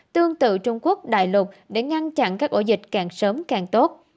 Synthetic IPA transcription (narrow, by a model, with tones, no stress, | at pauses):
t̪ɨ˧əŋt̪ɨ̰˧˨t͡ɕʊ˧ŋ͡mku˦˥ək̚ɗa̰ː˧˨jlʊ˨˩p̚ɗe˧˩ŋa˧nt͡ɕa̰˧˨nkaː˦˥k̚ʔo̰˧˩zï˨˩k̟̚kaː˨˩ŋsəː˨˦mkaː˨˩ŋt̪o˦˥t̚